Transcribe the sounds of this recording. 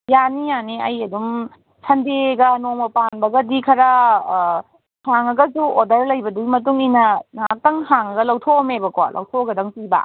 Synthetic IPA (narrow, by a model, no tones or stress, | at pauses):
janijaniɐjɐdum | sʰɐndeɡɐnoŋmɐpanbɐɡɐdikʰɐɾɐ | haŋɐɡɐsuodɐɾlɐjbɐduɡimɐtuŋinɐnak̚tɐŋhaŋɐɡɐlɐwtʰomebɐkoalʔɐ̰wtʰoɡɐdɐŋpiba̰